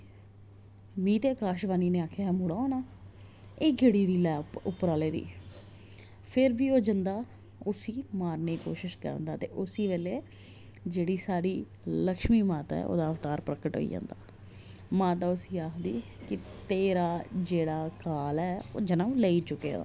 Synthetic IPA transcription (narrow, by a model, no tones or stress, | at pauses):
ʋiːt̪eːkaːʃbaːniːneːaːkʰeɛːmuːɽaːoːnaː | eːɡɪɽiːd̪iːlɛːpʊpːɾaːleːd̪ḭː | pʰɪɾʋiːoːd͡ʒənd̪aː | ʊsiːmaːɾneːko̰ːʃɪʃkə̰ɾə̰nd̪aːt̪ḛːʔʊsiːʋeːleː | d͡ʒeːɽiːsaːɽiː | ləkʃmiːmaːt̪a̰ːɛ̰ːʔo̰ːd̪aːəʋt̪aːɾpɾəkəʈɦo̰ːḭːd͡ʒã̰ːnd̪a̰ː | maːt̪aːʊsiːaːkʰd̪ḭː | kɪt̪eːɾaːd͡ʒeːɽaːkaːlɛːd͡ʒənãːleiːt͡ʃʊkːḛːd̪a̰ː